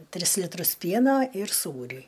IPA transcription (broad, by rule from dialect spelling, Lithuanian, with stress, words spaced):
ˈtʲrʲɪs lʲɪtˈrʊs ˈpʲiɛnoː ɪr ˈsuːrʲiː